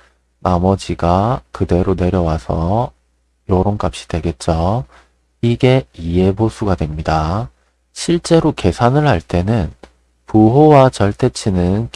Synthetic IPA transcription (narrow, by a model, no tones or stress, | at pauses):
namʌd͡ʑiɡakɯde̞ɾone̞ɾjʌwasʰʌ | joɾonk͈ap̚ɕ͈i̥dwe̞ɡe̞t̚t͡ɕ͈o | iɡe̞ie̞bosʰuɡadwe̞mɲida | ɕʰiɭt͡ɕ͈e̞ɾoke̞sʰanɯɭhaɭt͈e̞nɯn | puɦowat͡ɕʌɭt͈e̞t͡ɕʰinɯnk